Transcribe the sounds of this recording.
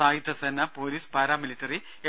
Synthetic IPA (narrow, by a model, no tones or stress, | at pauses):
aːjit̪ːɐsɐnːɐpoːliːspaːɾaːmilitːɐri | e